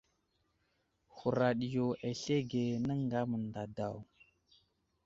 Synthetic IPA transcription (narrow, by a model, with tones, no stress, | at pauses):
hu˨ɾa˨ɗi˨jo˨ʔe˨ɬe˦ɡe˨nə˦ŋɡa˦mə˨nda˨da˨w